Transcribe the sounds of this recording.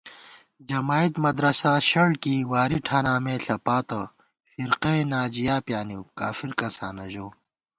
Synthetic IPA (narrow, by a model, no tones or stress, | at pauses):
d͡ʑɐmaːit̪mɐd̪ɾɐsaːɕɐɽkiwaːɾiʈʰaːnaːmeːɬɐpaːt̪ɐ | fiɾqenaːd͡ʑijaːpjaːniwkaːfiɾkɐsa̰ːnɐʑoː